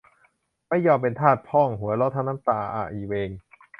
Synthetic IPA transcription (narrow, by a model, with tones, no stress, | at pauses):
ma˥˩jːɔː˧mpe˧nt̪ʰaː˥˩t̪̚pʰɔ˥˩ŋɦu˩˦ɐlɔ˧˦˥t̪ʰa˧˥na˧˥˦mt̪aː˧˩ʔa̰ː˨˩ʔiː˨˩weː˧ŋ